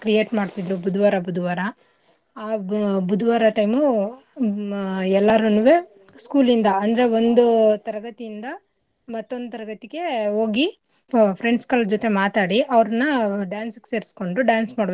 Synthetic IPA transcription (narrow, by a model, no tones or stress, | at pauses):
kɾije̞ːʈmaːɖt̪id̪ɾubud̪uʋaːɾɐbud̪uʋaːɾɐ | aːbud̪uʋaːɾɐʈɐjmu | ɛlːaːɾunuʋe | skuːlind̪ɐɐnd̪ɐɾe̞o̞nd̪ut̪ɐɾɐɡɐt̪ijind̪ɐ | mɐt̪ːo̞nd̪ut̪ɐɾɐɡɐt̪iɡe̞ɦo̞ːɡi | pʰɾeɳɖskɐɭd͡ʒot̪e̞maːt̪aːɽiʔɐʋɾɐnːɐɖaːnsɐkseːɾsko̞ɳɖuɖaːnsmaːɽʋe